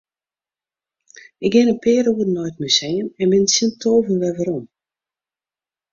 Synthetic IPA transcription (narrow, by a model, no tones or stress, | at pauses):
ɪk̚ɡɪnəpʰɪːɾuədənɔjtmysejənɛnbɪnəsintʰoːvənʋɛʋəɾɔm